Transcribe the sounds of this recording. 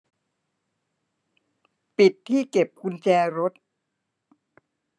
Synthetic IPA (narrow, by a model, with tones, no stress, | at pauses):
pi˨˩t̪ʰːiː˥˩ke˨˩p̚kʰu˧nt͡ɕɛː˧ɾo˦˥t̪̚